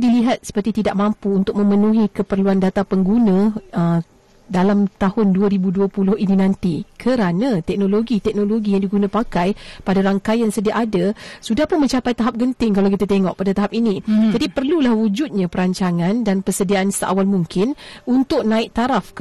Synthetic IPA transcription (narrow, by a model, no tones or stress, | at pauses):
diliɦat̪̚sə̥pərt̪it̪idaʔmãmpuːnt̪ʊk̚mə̃mənũɦikəpərluandat̪apəŋɡunãə | dalamt̪ahʊnduaɾibuduəpulʊhininãnt̪ikʰəɾanãt̪ɛk̚noloɡit̪ɛk̚noloɡijaŋdiɡunãpakajpadaɾaŋkajjaŋsədiaʔadasudahpʊnmə̃ɲt͡ʃapajt̪aɦap̚ɡənt̪ɪŋkalawkit̪at̪eŋɔʔ̚padat̪aɦap̚inĩd͡ʒadipərlulahwud͡ʒʊt̪̚ɲãpəɾaɲt͡ʃaŋãndanpərsədiaʔːnsəʔa̰walmuŋkʰɪnunt̪ʊk̚nãɪʔ̚t̪aɾafk